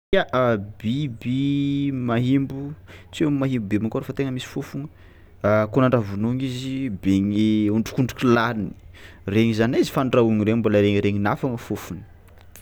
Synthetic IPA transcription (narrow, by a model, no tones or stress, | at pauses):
aʔabibimaɦimbut͡semaɦimbubemakoɾefət̪eŋəmisi̥fufuŋə | kunaɳɖ͡ʐavunuŋizibeŋiuɳɖ͡ʐu̥kuɳɖ͡ʐukʲilalini̥ | reŋizanaizi̥faɳɖ͡ʐauŋiɾembalaɾeŋɾeɲinafaŋəfufunə̥